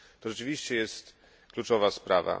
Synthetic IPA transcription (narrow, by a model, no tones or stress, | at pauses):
t̪ɔʐɛt͡ʂɘvʲiɕt͡ɕɛjɛst̪ | klut͡ʂɔvaspɾava̰